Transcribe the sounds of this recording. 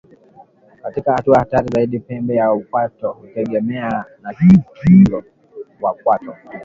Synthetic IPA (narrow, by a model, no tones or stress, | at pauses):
katikahatuahataɾizaiɗipɛmbɛjaukwatɔhutɛɠɛmɛanahikiɾɔ | wakwatɔ